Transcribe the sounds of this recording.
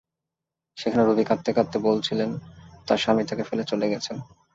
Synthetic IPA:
ʃekʰaneɾubikat̪ːekat̪ːebolt͡ɕʰilent̪aɾʃamit̪akefelet͡ɕoleɡɛt͡ɕʰen

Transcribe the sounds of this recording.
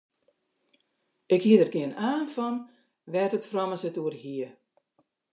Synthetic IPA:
ɪkhiədərɡɪənaːnfɔn | ʋɛtətfrɔməsətuərhiə

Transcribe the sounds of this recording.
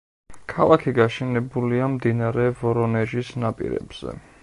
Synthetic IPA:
kʰalˠakʰiɡaʃɛnɛbuliamd̪inaɾɛvɔɾɔnɛʒisnapʼḭɾɛ̰b̥z̥ɛ̰

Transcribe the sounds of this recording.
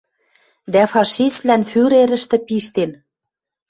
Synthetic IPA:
d̪æfɑʃist̪lænfyɾeɾə̆ʃt̪ɘ̆piʃt̪en

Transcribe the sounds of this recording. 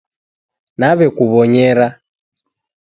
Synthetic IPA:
naβɛkuβɔɲɛɾa

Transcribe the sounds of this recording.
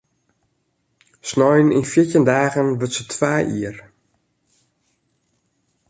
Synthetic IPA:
snɔjəninfjiətəndaːɣənʋətsətʰʋaːjʔiər

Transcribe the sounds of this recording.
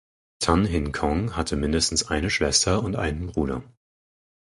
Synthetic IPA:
tʰanɦɪŋkʰɔŋɦatʰəmɪndəstn̩sʔaɪnəʃv̥ɛstʰɐʊntʔa̰ɪnənbʁuːdɐ̰

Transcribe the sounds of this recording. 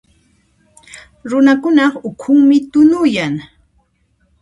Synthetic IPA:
ɾʊnakʊnɑχʊkʰʊŋmɪt̪ʊnʊjaŋ

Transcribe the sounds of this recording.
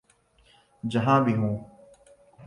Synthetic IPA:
d͡ʒəɦãːbiɦũː

